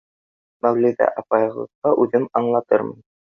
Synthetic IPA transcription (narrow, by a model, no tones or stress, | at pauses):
mæwlid̪ɑ̰ʔɑpɑjɤ̆lˠɤ̰̆qqːɑʔʉðɘmɑɴlˠɑt̪ɤɾmɤ̰n